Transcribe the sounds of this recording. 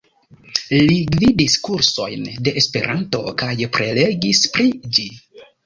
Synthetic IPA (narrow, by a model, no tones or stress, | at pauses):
liɡvidiskuɾso̞jnde̞ʔespe̞̰ɾʔanto̞̰kajpɾe̞le̞ɡispɾid͡ʒi